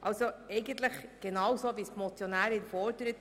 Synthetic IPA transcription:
ʔɑlsoɛɪɡən̩t̪ləχɡ̥enɑwsoːʋiːsmɔt͡sjɔnæːɾɪdfɔɾdəɾət

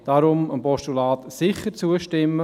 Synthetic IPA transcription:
d̥ɑɾʊməmpɔʃtulɑːt̪sɪχəɾt͡suəʃtɪmːə

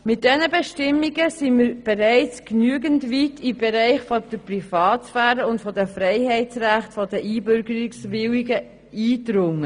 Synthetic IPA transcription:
mɪt̚d̥ɛnəbɛʃtɪmːiɡəsiməɾb̥ɛɾɛɪt͡sknyəɡəntvitib̥ɛɾɛɪχfɔd̥əprifɑːtsfæːɾəʊntfɔdəfɾɛɪhɛɪtt͡sræχtfɔd̥əʔiːbʏɾɡəɾiksʋɪwiɡə | iːdɾʊŋːə

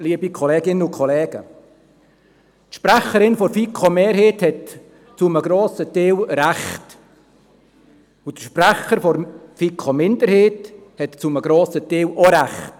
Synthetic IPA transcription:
liːbikʰɔlɛːɡɪnəʊkʰɔlɛːɡ̥ə̰ | tʃprɛχəɾɪnfɔrfikʰomeːɾheːthɛt | t͡suməɡɾoːsəteːwɾæχt | utʃprɛχəɾfɔɾfiːkʰomɪndəɾheːt | hɛtt͡suməɡɾoːsəteːwʔoɾæχt

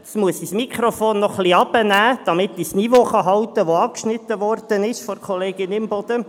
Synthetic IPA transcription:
smuəsismikʰɾofoːnːɔχliɑb̥ənæːd̥ɑmɪt̪ːisnivoːχɑɦɑwt̪əʋoɑkʃnɪt̪ːəʋɔrd̪̥ənɪʃfɔɾkʰɔleːɡɪnɪmbɔd̥̪ə

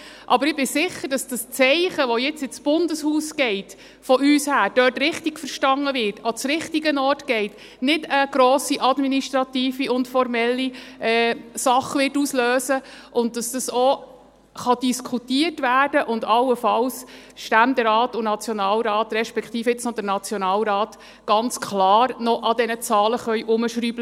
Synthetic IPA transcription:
ʔɑbəɾɪb̥ɪsɪχəɾd̥ɑsd̥ɑst͡sɛɪχəʋɔjɪt͡sɪt͡sb̥ʊndəshuːsɡ̥ɛɪt | fɔʔyːshæːɾd̥œtɾɪχtiɡ̥fəɾʃtɑŋːəʋɪɾtot͡sɾɪχtiɡənɔːrtɡ̥ɛɪt | nɪdəɡ̥ɾɔːsiʔɑdminiʃtɾɑtiːfiʊntfɔɾmɛlːiɛːsɑχʋɪtuːsløːsəʔʊnt̚d̥ɑsd̥ɑso | χɑd̥iskʰutiərtvæːrd̥əʔʊndɑlːəfɑls | ʃtændɛɾɑːtʊnɑt͡sjɔnɑːlɾɑːtɾɛʃpɛkχtiːfɪt͡snɔd̥̪əɾnɑt͡sjɔnɑːlɾɑːt̪ | ɡ̥ɑnt͡skʰlɑːɾnɔʔɑdɛnət͡sɑːləχœʏʔʊməʃɾyːblə

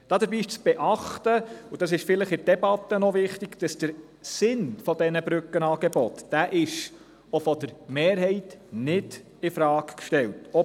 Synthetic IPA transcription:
d̥ɑːd̪əɾbiːɪʃt͡sb̥ɛʔɑχtəud̥ɑs̬ɪʃfɪləχɪd̥ɛbɑt̪ːənɔʋɪχtɪɡd̥ɑsd̥əɾ | sɪnfɔd̥ɛnəbɾʉkːənɑːɡ̥ɛbɔt̪d̥æːʔɪʃ | ofɔd̥əɾmeːɾɦɛɪtnɪd̥ | ɪfɾɑːkkʃtɛltɔ

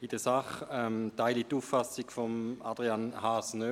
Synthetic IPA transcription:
id̥əsaχɛmtaɪlituːfːasiɡfɔmad̥ʁianhaːsnø

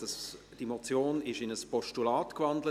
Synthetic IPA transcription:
əs | d̥imot͡sjoːnɪʃɪnəspɔʃtulaːtkvɑndlə

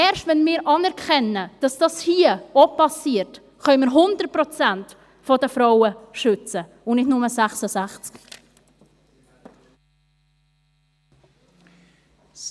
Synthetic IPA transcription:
ɛːɾʃtvɛnmiːɾʔɑnɛɾkʰɛnəd̥ɑsd̥ɑshiːəopɑsiːəɾt | χœʏməɾɦʊndət̚pɾɔt͡sænt | fɔdəfɾaʊəʃʏt͡sə | ʊnɪtnʊməsæχsəsæχt͡sk

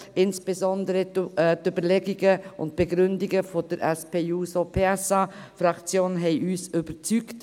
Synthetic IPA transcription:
ʔɪnsb̥ezɔndəɾətøbəlɛɡiɡəʊ̰ntb̥eɡɾʏndiɡəfod̥əɾʔɛspeːuːsopʰːɛsɑfrɑkt͡sjoːnɦɛɪʔyːsʏb̥ət͡sykt

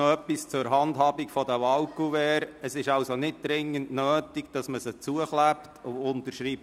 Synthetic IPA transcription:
œpːist͡sʊɾɦɑndɦhɑːbikfɔdəʋɑʊkuvɛːɾəsɪʃɑwsonɪt̚d̪̥ɾɪŋːəntnœːtiɡd̥ɑsməsət͡suəχlæptʰʊʊntəʃɾip̚

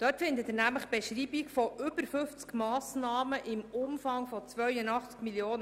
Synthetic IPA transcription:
d̪̥œtfɪnd̪ət̪ɪnæmləχb̥ɛʃɾiːbikfɔʔʏbəɾfʏft͡skmɑːsnɑːməʔɪmʊmfɑŋfɔt͡sʋœɥənɑχt͡skmiljoːnə

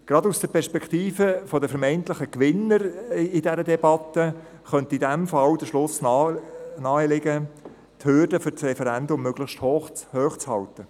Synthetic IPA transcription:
ɡ̥ɾɑdusd̥əɾpʰɛɾʃpɛkχt̪iːfəfɔdəfəɾmɛɪnt̪lɪχəkʋɪnːəɾɪdɛɾədɛbɑt̪ːə | χœnt̪idæmfɑld̥əʃlʊs | nɑːəlɪɡə | thøɾdəfʏɾt͡srɛfɛɾændʊmːøɡ̥ləχʃthohøːχt͡shɑltə

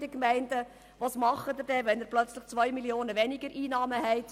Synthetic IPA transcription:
d̥əkmɛɪndə | ʋɑsmɑχːəd̪ədɛʋɛnəɾplœt͡sləχt͡sʋœʏmiljoːnəʋɛnɪɡəɾʔiːnɑːməhɛɪt

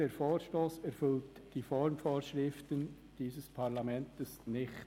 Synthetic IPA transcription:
əːɾfoːɾʃtoːsæɾfʏltd̥ifɔɾmfoːɾʃɾɪftən | d̥iːsəspʰɑɾlɑmɛntəsnɪχt

